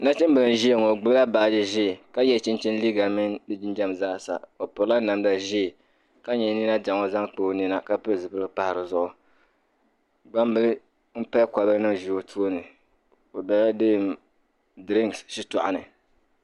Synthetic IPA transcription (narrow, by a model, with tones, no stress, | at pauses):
na˦t͡ʃɛ˦mbɨ˨lɨ˨n˨ʒi˦e˦˨ŋo˨ɡ͡bɨ˦la˦baː˨d͡ʒɪ˦ʒi˦˨ka˦jɛ˦t͡ʃɪ˦nt͡ʃɛ˦n˦li˦ɡa˨mɛ˦ndɨ˦d͡ʒi˦n˦d͡ʒa˦m˨za˦˨sa̰˨o˨pʊ˨ɾla˦na˨mda˨ʒi˦˨ | ka˦ɲɛ˨˦ni˦na˦d͡ʒa˨ŋo˦za˦ŋk͡po˨˦ni˦na˦ka˦pɨ˦˨zɨ˨bɨ˦ɾɨ˦pa˨hɪ˨ɾɨ˨zʊ˦ʔʊ˨ | ɡ͡ba˦m˦bɨ˦lɨ˦ | m̩˦pa˦ka˨bɨ˦ɾɨ˦nɨ˦ʒu˨o˨tʰu˦o˦nɨ˨ | o˨da˦la˦dɨ˦˨m | dɾi˦ŋsʃi˦tɔ̰˨ʔa̰˨nɨ̰˨